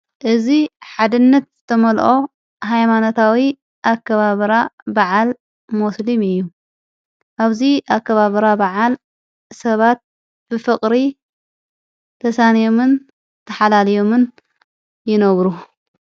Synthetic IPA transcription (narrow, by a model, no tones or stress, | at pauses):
ʔɨziħad̪ɨnːɐt̪z̥ɨt̪ʰɐmɐlʔo̞ | ɦajmanot̪ʰawi | ʔakːɐβaβɾabaʕal | muslimɨjːu | ʔaβziʔakːɐβaβɨɾabɐʕal | sɐβat̪̚ | b̥ɨfɨkʼɾi | t̪ʰɐsanjo̞mɨn | t̪ʰɐħalalijo̞mɨn | jɪnɐβɾu